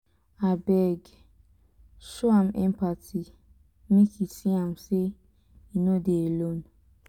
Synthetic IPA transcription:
abɛɡ | ʃoãmɛ̰̃mpatʰi | mĩkʰisiãmse | inodeelõn

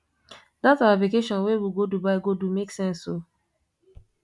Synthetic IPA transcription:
dataplikeʃɔ̃nwewiɡodubaɪɡodumeksɛ̃nso

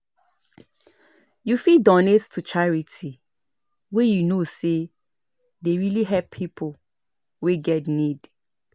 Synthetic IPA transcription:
jufidɔnetstʰut͡ʃaɹitʰi | wejunose | deɹiliɦɛppʰipʰo | weɡɛtnid

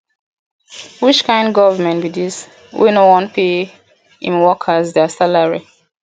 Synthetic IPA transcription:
wit͡ʃkʰãɪ̃ndɡɔvəmɛ̃ntbidis | wḭnowɔ̃npʰe | ḭ̃nwɔkʰəzdɛsalaɹi

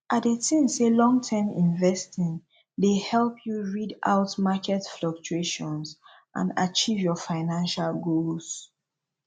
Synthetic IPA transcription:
ʔaetĩmselɔ̃ŋtʰɛmĩnvɛstĩŋ | dehɛlpʰjuɹida̰ʊtmakʰɛtflək̚t͡ʃueʃɔ̃ns | ʔã̰na̰t͡ʃivjɔfaɪnãnʃalɡols

